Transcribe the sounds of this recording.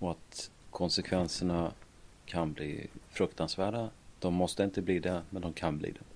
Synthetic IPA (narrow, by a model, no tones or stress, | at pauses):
ɔat̪ | kʰɔnsɛkʰvɛnsəɳa | kʰanblḭːfɾɵkt̪ansvæːɖad̪̥ɔmːɔst̪əɪnt̪əbliːd̪ɛmɛnd̪ɔmkʰanblḭːd̪ɛ